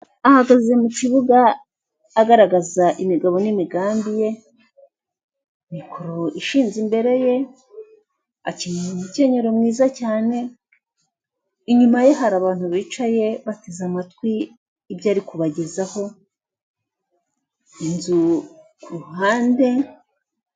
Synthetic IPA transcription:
ahaɡaze̞muciβuɡaː | ɡaɾaɡazaʔimiɡaβo̞nimiɡaːmbije̞ | mikʰoɾo̞iʃiːnzimbe̞ɾe̞je̞ | aciɲmuce̞ɲe̞ɾo̞mŋiːzacaːne̞ | iɲumaje̞ɦaɾaβaːn̥huβiːt͡ʃaje̞βatezamatkwiː | bjaːɾikuβaɟezaho̞ | inzu | kuhaːnde̞

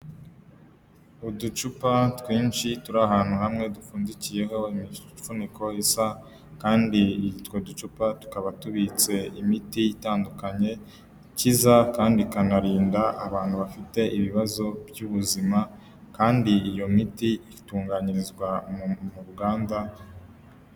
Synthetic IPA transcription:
udut͡ʃupatkwiːnt͡ʃituɾaɦaːn̥huhamŋe̞dufuːndicije̞ɦo̞imifuniko̞isa | kaːnditwodut͡ʃupatu̥kaβatuβit͡se̞imitiitaːndukaɲe̞ | cizakaːndikanaɾiːndaʔːβaːn̥huβafite̞ʔiβiβazo̞bjuβuzima | kaːndiːjo̞mitiituːŋɡaɲiɾizɡwamuɾuɡaːnda

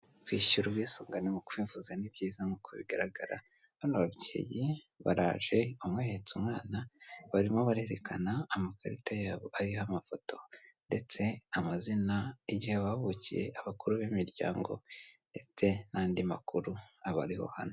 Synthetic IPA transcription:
kwiːʃuɾubɡiːsuːŋɡanemukuβiːvuzanibɟiːzamukʰoβḭɡaɾaɡaɾa̰ | βanoβabɟḛːjiβa̰ɾaːʒe̞umweːhet͡sumŋaːnaβaɾimoβaɾe̞ɾe̞kʰa̰naːmakaɾitajaːβoʔaɾihamafo̞to̞nde̞t͡se̞amazinaiɟiheβahoβocije̞̰ʔaβakuɾuβimiɾɟa̰ːŋɡo̞̰nde̞t͡se̞naːndima̰kuɾuaβa̰ɾiho̞̰hano

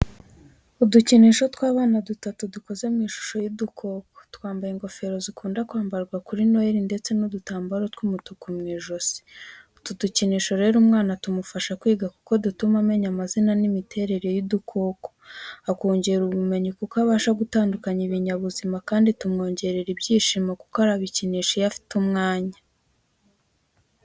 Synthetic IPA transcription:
uduciniʃo̞tkwaːβaːnadutatuduko̞ze̞mŋiːʃu̥ʃo̞jidukʰo̞ːko̥twaːmbajeŋɡo̞fe̞ɾo̞zikʰuːndakwaːmbaɾɡwakuɾinojeɾinde̞t͡se̞nudutaːmbaɾotkumutukumŋiːʒosi̥ | tuduciniːʃo̞ɾe̞ːɾumŋaːnatumufaʃakwiːɡaku̥ko̞dutumame̞ɲamazinanimitʰe̞ːɾe̞ɾe̞jidukʰo̞ːko̥ako̞ːɲɟe̞ɾuβume̞ɲukukaβaːʃaɡutaːndukaɲiβiɲaβuzimakaːnditumŋo̞ːɲɟe̞ɾeɾibɟiːʃimaku̥koaɾaβiciniːʃojafi̥tumŋaːɲa

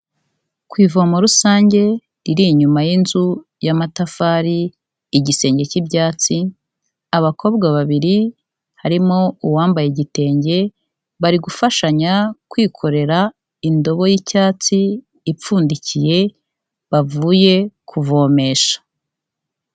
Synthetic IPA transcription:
kwiːvo̞ːmoɾusaːɲɟe̞ | ɾiɾiɲumajinzu | jamatafaːɾiː | ɟise̞ːɲɟe̞cibjaːt͡si | aβakʰo̞ːbɡaβaβiɾi | haɾimo̞uwaːmbajeɟite̞ːɲɟe̞ | βaɾiɡufaʃaɲakwiːkʰo̞ɾe̞ɾa | indo̞βo̞jicaːt͡siː | p͡fuːndicije̞ | βavuːje̞kʰuvo̞ːme̞ːʃḁ

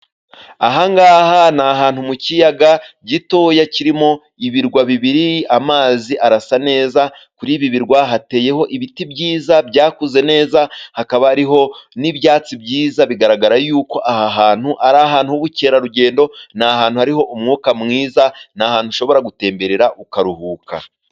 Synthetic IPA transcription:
aɦaŋɡaːhanaɦaːn̥humucijaɡaɟitojaciɾimo̞ | iβiɾɡwaβiβiɾiamaːziʔaɾasane̞ːza | kuɾiβiβiɾɡwaɦate̞ːje̞ɦo̞ʔiβitibɟiːzabɟaːkuze̞ne̞ːzahakaβaːɾiɦo̞nibjaːt͡sibɟiːzaβiɡaɾaɡaɾajuːko̞ʔahaɦaːn̥huʔaɾaɦaːn̥huuβuce̞ːɾaɾuɟe̞ːndo̞nahaːn̥huhaɾiɦo̞ʔumŋuːkamŋiːzanaːhaːn̥huʃo̞βo̞ɾaɡute̞ːmbe̞ɾeɾaʔukaɾuhuːkʰa̰

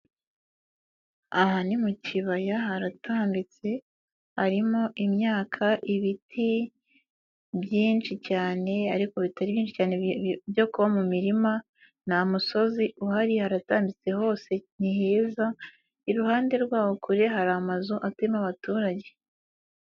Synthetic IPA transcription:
aɦanimuciβajaɦaɾatʰaːmbit͡se̞ | haɾimo̞ʔimɲaːkʰaʔiβitʰi | βjiːnt͡ʃicaːne̞aɾiko̞βitaɾiβjiːnʃicaːnebjo̞kuβamumiɾima | namuso̞ziʔuhaɾihaɾataːmbit͡se̞ho̞ːse̞niheːza | iɾuhaːnde̞ɾɡwaːwokʰuɾeɦaɾamazuʔatemaβatuːɾaɟe̞

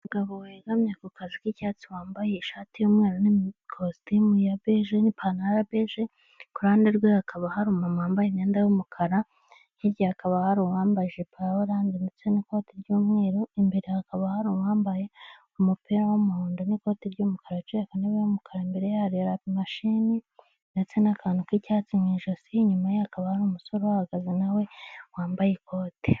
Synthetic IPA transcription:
uɡaβoweːɡamɲekukazikicat͡siwaːmbajeiʃaːtijomŋeːɾonikʰostimujabeʒenipʰanaɾabeʒe | kuɾaːndeɾɡweakʰaβahaɾumamaːmbajeneːndajomukʰaɾa | jiɾɟaakʰaβahaɾuwaːmbaʒepʰawoɾaːndendet͡so̞niko̞ːtiɾɟuːmŋe̞ːɾoimbeɾehakaβahaɾuwaːmbaje̞ | umupiɾawomuhoːndoniko̞ːtiɾɟumukaɾat͡ʃeːkaniβejumukʰaɾaimbe̞ɾejahaɾiɾapimaʃini | ndet͡se̞nakʰaːnukwicaːt͡siŋɡiːʒosiɲumajeakaβahaɾumuso̞ɾowahaɡazinawe̞waːmbajeko̞ːte

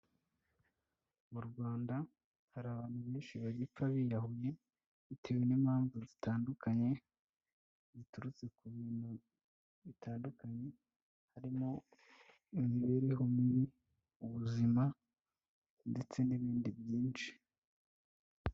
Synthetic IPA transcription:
muɾɡwaːnda | haɾaːβaːn̥huβeːnʃiβaɟip͡faβijaɦuje̞ | itʰewenimaːɱvozitaːndukaɲe̞ | zituɾut͡se̞kuβiːn̥hu | βitaːndukaɲe̞ | haɾimo̞ | imiβeɾeɦomiɾi | uβuzima | nde̞t͡se̞niβiːndibjiːnʃi̥

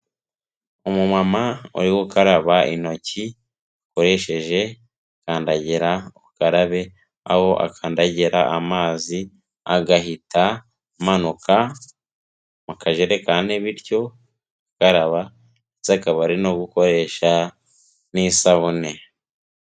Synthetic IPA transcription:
umumamaṵɾiwukaɾaβaʔino̞ci | koɾe̞ʃe̞ʒe̞ | kaːndaɟeɾaukaɾaβe̞ | a̰ho̞ʔa̰kʰaːndaɟeɾaʔamaːzi | aɡaɦitʰa | manukʰa | mukʰaʒeɾekaːneβiɾjo̞ | kaɾaβa | izakaβaɾinoɡuko̞ɾe̞ːʃa | nisaβune

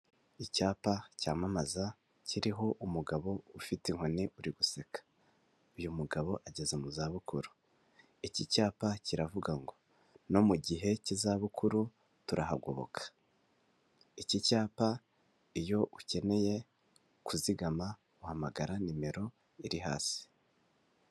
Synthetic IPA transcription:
icaːpacaːmamaza | ciɾiɦo̞ʔumuɡaβo̞ufiteŋ̥honiʔuɾiɡusekḁ | ujumuɡaβo̞ʔaɟe̞zemuzaːβukuɾu | icicaːpaciɾavuɡaŋɡo̞ | no̞muɟiɦe̞cizaːβukʰuɾu | tuɾaha̰ɡo̞̰βo̞̰kʰḁ | icicaːpa | ijo̞ʔuce̞ne̞je̞ | kuziɡama | uhamaɡaɾanime̞ɾo̞ | iɾiɦa̰ːsi̥

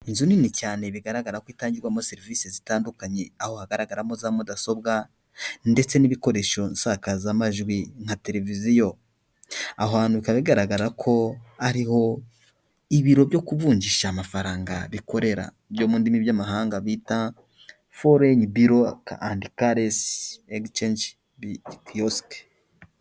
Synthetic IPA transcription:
inzuninicaːne̞βiɡaɾaɡaɾakwiːtaːɲɟiɾɡwamose̞ɾiviːsezitaːndukaɲe̞aho̞haɡaɾaɡaɾamozaːmudaso̞b̚ɡa | nde̞t͡se̞niβiko̞ɾe̞ʃo̞nsakazamaʒɡwiŋ̥hate̞ɾe̞vizijo̞ | ahaːn̥uβikaβaβiɡaɾaɡaɾakʰo̞aɾiho̞ | iβiɾo̞bjo̞kuβuːɲɟiʃamafaɾaːŋɡaβiko̞ɾe̞ɾa̰ | bjo̞ːmundimiβjamaɦaːŋɡaβita | foɾeɲibiɾokandikaɾeseɡt͡ʃend͡ʒ | koske̥

